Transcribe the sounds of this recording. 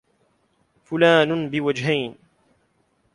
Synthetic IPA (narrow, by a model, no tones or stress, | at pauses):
fʊlaːnʊbɪwad͡ʒɦajn